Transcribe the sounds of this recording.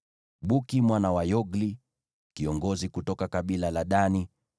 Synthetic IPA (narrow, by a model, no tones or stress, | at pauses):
ɓukimwanawajɔɡli | kiɔŋɡɔzikutɔkakaɓilalaɗani